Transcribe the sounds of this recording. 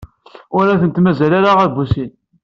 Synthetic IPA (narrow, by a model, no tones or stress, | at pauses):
ʊɾæθənt̪mæzælaɾaʁæðbusin